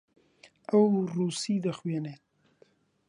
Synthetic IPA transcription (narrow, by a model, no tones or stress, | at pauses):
awɾusid̪axwjanet̪